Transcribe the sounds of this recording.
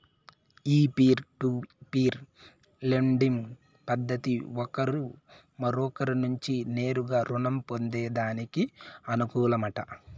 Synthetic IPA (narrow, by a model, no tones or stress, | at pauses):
iːpiːɾʈupiːɾ | leɳɖim | pɐd̪ːɐt̪iɔkɐɾu | mɐɾɔːkɐɾinuɲt͡ʃine̞ːɾuɡaːɾunɐmpo̞nd̪ɛːd̪aːnikiɐnukuːlɐmɐʈɐ